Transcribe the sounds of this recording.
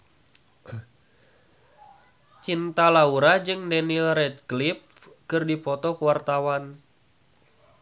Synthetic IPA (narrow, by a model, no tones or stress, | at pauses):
t͡ʃint̪alauɾad͡ʒɨŋdɛnilrɛt̪̚klip̚ | kɨrdipɔt̪ɔkəwart̪awan